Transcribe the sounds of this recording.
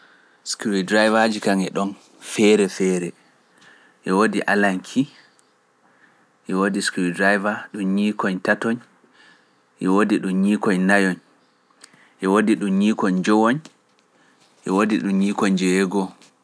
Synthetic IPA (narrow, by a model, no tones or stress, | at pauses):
skuɾidɾajvad͡ʒikaŋɛɗɔn | fɛɾɛfɛːɾɛ | ʔɛwodiʔalaŋkʰi | ʔɛwodiskuɾidɾajvaɗumɲikɔɲtatɔɲ | ʔɛwodiɗumɲikɔɲnajɔɲ | ʔɛwodiɗumɲiːkɔɲd͡ʒɔwoɲ | ʔɛwodiɗumɲikɔɲd͡ʒɛwɛɡɔ